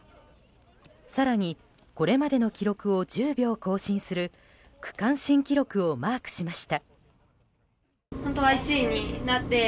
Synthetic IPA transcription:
saɾaɲ̟i | ko̞ɾe̞mad̪e̞no̞kʲiɾo̞kɯ̟o̞d͡ʑɨːbʲo̞ːko̞ːɕĩɰ̃sɨɾɯ̟ | kɯ̟̥kãɰ̃ɕĩŋkʲiɾo̞kɯ̟o̞maːkɯ̟̥ɕimaɕi̥t̪a | hont̪oβait͡sɨiɲ̟inat̪ːe̞

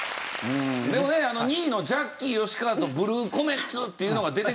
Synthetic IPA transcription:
ɯ̟̃d̪e̞mo̞ne̞ano̞ɲ̟iːno̞d͡ʑakʲːio̞ɕi̥kaat̪o̞bɯ̟ɾɯːko̞me̞t͡sɨt̪ːe̞iɯ̟no̞ɡad̪e̞t̪e

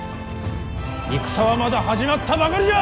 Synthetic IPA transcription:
ik̚sʰawamad̪ahad͡ʑimat̪ʰabaɡɯʎa

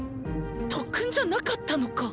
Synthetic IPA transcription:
t̪ʰokʰɯnd͡ʑanakat̪͈ʰːanoka

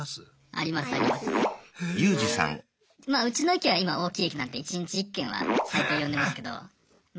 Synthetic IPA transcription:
a̰ɾʲimasɨa̰ɾʲimasɨ̥jɯːd͡ʑisã̰ŋ | maːɯ̟t͡ɕinoikʲiβaimao̞ːkʲiːekʲinãnt̪e̞it͡ɕiɲit͡ɕiːkːẽ̞ɰ̃βa̰sait̪ojond̪e̞masɨ̥ke̞d̪o̞̰

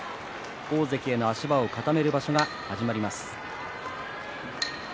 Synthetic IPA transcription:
o̞ːze̞kʲie̞no̞aɕibao̞kat̪ame̞ɾɯ̟baɕo̞ɡa | haʑimaɾʲimasɨ̥

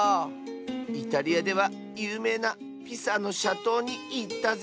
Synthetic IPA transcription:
it̪aɾʲiad̪e̞β̞a | jɯːme̞ːna | pʲisano̞ɕat̪o̞ːɲ̟iit̪ːaz

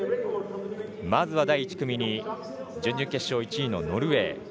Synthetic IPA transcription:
mazɨβad̪aiit͡ɕi̥kɯ̟mʲiɲ̟i | d͡ʑɨ̃ɲʲːɨke̞ɕːo̞ːit͡ɕiino̞̰no̞ɾɯ̟βe̞̰ː

